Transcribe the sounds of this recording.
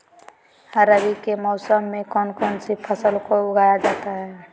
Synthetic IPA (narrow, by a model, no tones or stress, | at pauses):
həɾəbikemɔʊsəmːekɔnkɔnsipʰəsəlkoʊɡʱajad͡ʒat̪aɦɛ